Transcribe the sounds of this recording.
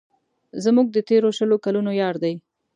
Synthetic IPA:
zmuɡ̚d̪ət̪eɾoʃəlokalunojɑɾd̪aj

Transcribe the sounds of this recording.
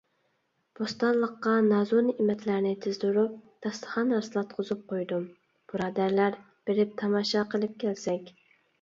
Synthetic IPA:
b̥ost̪ɑnlˠəqːɑnɑzonɨʔimɛt̪ʰlæɾnɪt̪ʰɪzd̪uɾup̚d̪̥ɑst̪ʰə̥χɑnːæɾsɨlˠɑt̪̚qʰozɨp̚qʰojd̪um | b̥ɨɾɑːd̪æɾlæɾ | b̥eɾɪp̚t̪ʰɑmɑːʃɑqʰəlˠɪp̚kʲʰɛlsɛkʲ

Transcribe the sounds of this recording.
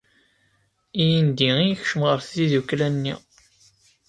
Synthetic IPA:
ijind̪iijçʃəmʁəɾθːiðukːlænːḭ

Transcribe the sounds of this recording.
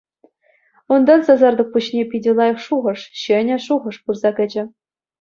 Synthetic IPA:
und̪ɑnsɑzɑrd̪ɤ̆k̚puɕnʲepʲidʲɘ̆lˠɑjɤ̆fʂuʁɤ̆ʂɕɘ̆nʲɘ̆ʂuʁɤ̆ʂpurzɑkʲɘ̆d͡ʑɘ̆

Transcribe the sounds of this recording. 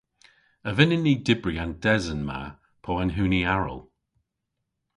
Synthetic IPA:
əvɪnənːiːdɪbɹiand̥ɛzənma̰ | pʰɔːanɦʉːniaɹə̰lˠ

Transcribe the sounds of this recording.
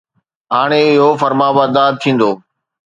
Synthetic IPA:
ɦaːɽ̃eɪɦofəɾmaːbaːd̪aːd̚t̪ʰĩːn̆d̪oː

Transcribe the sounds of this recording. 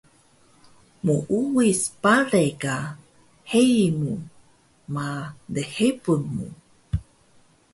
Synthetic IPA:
muʔuwispaɾeka | hemu | madəhepunmṵ

